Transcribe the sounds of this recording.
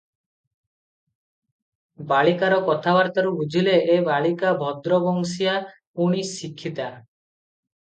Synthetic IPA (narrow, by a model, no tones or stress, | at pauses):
baɭikaɾɔkɔt̪ʰabaɾt̪aɾubud͡ʒʱileʔːbaɭikabʱɔd̪ɾɔbɔŋsija | uɽ̃isikʰːit̪a